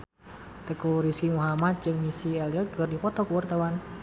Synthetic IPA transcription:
t̪əkuɾiskimuɦamat̪̚d͡ʒɨŋmisiɛliɔt̪̚kɨrdipɔt̪ɔkuwart̪awan

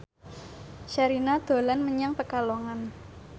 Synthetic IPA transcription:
ʃaɾinad̪̥o̤lanməɲaŋp̪əkaloŋan

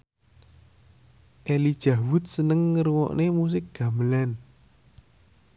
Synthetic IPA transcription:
ʔelid̥ʒ̥a̤wʊt̪̚sənəŋːəɾuwɔ̰ʔnemus̬ɪk̚ɡ̥a̤məlan

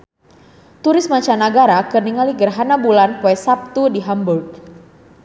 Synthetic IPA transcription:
t̪uɾɪsmaɲt͡ʃanaɡaɾakərniŋaliɡərɦanabulanpwɛsap̚t̪udiɦamburɡ̚

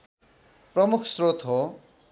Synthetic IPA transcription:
prʌmukʰsrot̪ʰɦo

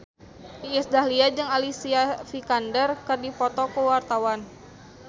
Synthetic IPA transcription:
iɛsdahliad͡ʒɨŋalisiafikandərkɨrdipɔt̪ɔkəwart̪awan

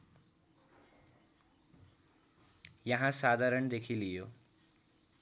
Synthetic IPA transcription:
jʌɦãsad̪ʱaɾəɳd̪ekʰilijo

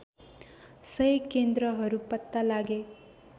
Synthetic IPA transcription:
sʌjkend̪ɾʌɦʌɾupʌt̪ːalaɡe

